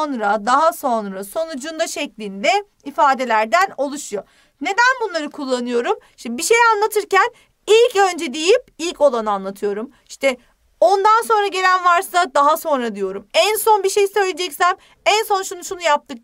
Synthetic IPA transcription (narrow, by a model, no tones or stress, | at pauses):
nɾad̪aɦaso̞nɾaso̞nud͡ʒund̪aʃɛclʲind̪ɛ | ifaːd̪e̞lʲæɾd̪æno̞lˠuʃujo̞ | ne̞d̪ænbunlˠaɾɯkʰulˠːanɯjo̞ɾumiʃt̪ɛbiʃejanlˠat̪ʰɯɾcæn | ilʲcø̞nd͡ʒɛd̪ejip̚ilʲco̞lˠanɯanlˠat̪ʰɯjo̞ɾum | iʃt̪ʰɛ | o̞nd̪anso̞nɾaɟe̞lʲænvaɾsad̪aɦaso̞nɾad̪ijo̞ɾumænso̞nbiʃe̞jisø̞jlʲed͡ʒɛcsæm | ænso̞nʃunuʃunujap̚t̪ʰɯk̚